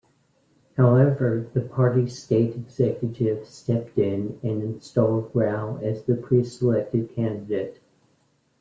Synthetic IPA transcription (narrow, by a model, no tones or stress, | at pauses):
haʊɛvə˞ðɨpʰɑɹɾisteɪɾɨɡzɛkjɨɾɪv̥stɛp̚tɪ̃nɨ̃nɨ̃nstɔlˠd̚ɡɹaʊɨzðɨpʰɹ̥isəlɛk̚tɨd̚kʰæ̃ndɨdeɪt̚